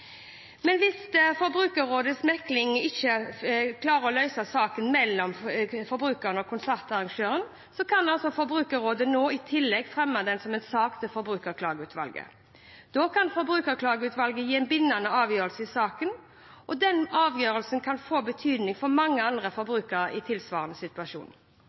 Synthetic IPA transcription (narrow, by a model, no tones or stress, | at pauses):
mɛnʋɪsfɔɾbɾʉːkəɾoːd̪əsmɛklɪŋ̩ɪçəkʰlɑːɾəɾɔlœʏsɑsɑːkənmɛlːɔmfɔɾbɾʉːkəʁənɔkʰʊnsæʁt̪ɑʁɑŋʃøːɾən | sɔkʰɑnɑlsɔfɔɾbɾʉːkəɾoːd̪ənoːɪt̪ʰɪlːɛɡfʁɛmːɑd̪ɛnsɔmɛt̪sɑːkt̪ʰəfɔɾbɾʉːkəʁkʰlɑːɡəʉːt̪ʰʋɑ̰lɡə̰ | d̪̥ɔːkʰɑnfɔɾbɾʉːkəʁkʰlɑːɡəʉːt̪ʋɑlɡəjiːɛnbɪnːɑnəɑːʋjøːɾəlsəɪsɑːkən | ʔɔd̪ɛnɑːʋjøːɾəlsənkʰɑnfoːbət̪ʰyːd̪nɪŋfɔɾmɑŋːəɑnd̪ʁəfɔɾbɾʉːkəɾəɪt̪ʰɪlsʋɑ̰ːʁənəsɪt̪ʉɑʃṵːn